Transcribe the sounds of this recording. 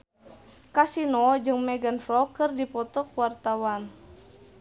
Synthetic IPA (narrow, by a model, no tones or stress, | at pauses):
kasinɔd͡ʒɨŋmɛɡanfɾɔkɨrdipɔt̪ɔkuwart̪awan